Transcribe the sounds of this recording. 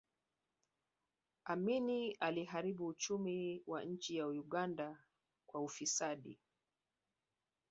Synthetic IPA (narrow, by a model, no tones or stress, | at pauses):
aminialiɦaɾiɓuːt͡ʃumiwaɲ̩t͡ʃijaujuɠanda | kwaufisaɗḭ